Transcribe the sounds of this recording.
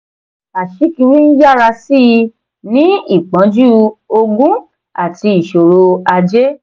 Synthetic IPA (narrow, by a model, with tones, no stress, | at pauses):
a˨ʃi˨˦ki˧wi˦n̩˦ja˦˨ɾa˧si˦˨i˧ | nĩ˦i˦˨k͡pã˨˦d͡ʒu˦o˧ɡũ˦ | a˦˨ti˧i˨ʃo˨ɾo˧a˧d͡ʒe˦